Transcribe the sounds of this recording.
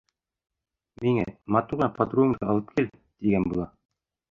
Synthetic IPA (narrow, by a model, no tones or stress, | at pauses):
miŋæmɑt̪uʁɑpʰɑt̪ɾuɤ̆mɑɑlˠɤp̚kʰil | t̪iɡænbulˠɑ